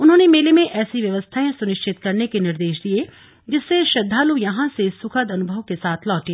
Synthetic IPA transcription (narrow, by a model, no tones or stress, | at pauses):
ʊnɦõːnemeːlemẽʔɛːsiʋjɐʋəst̪ʰaːẽsʊnɪʃt͡ʃʰɪt̪kɐɾnekenɪɾd̪eːʃd̪ie | d͡ʒɪsːeʃɐd̪ʱːaːlujɐɦãsesʊkʰəd̪ɐnʊbʱəʋkesaːt̪ʰlɔːʈi